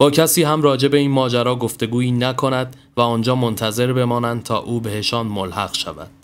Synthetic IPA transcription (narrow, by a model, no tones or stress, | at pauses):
b̥ɒːcʰæsiːɦæmrɒːd͡ʒe̞be̞iːnmɒːd͡ʒæɾɒːɡo̞ft̪e̞ɡuːiːnækʰo̞næd̪ | væɒːnd͡ʒɒːmo̞nt̪ʰæze̞ɾbe̞mɒːnænd̪̚t̪ʰɒ̰ːʔuːbe̞he̞ʃɒːnmolhæɣʃævæ̰d̪̥